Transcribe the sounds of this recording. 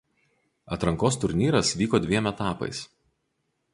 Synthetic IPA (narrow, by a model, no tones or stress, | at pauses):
ɐ̰t̪ɾɐŋkoːst̪ʊɾʲnʲiːɾɐsʋʲiːkoːd̪ʲʋʲiɛmʲɛt̪ɑːpɐ̰ɪs